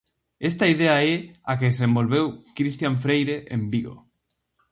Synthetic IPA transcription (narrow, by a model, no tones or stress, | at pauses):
est̪aiðeaɛakeðes̬ẽmbolβewkɾist̪jaɱfɾejɾeʔḛmbiɣo̰